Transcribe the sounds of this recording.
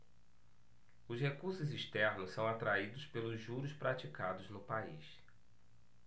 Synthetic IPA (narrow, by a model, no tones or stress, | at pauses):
ʊshekuɾsʊziʃt̪ɛɾnʊssɐ̃w̃at̪ɾaid̪ʊspelʊzʒuɾʊspɾat͡ʃikad̪ʊznʊpaḭs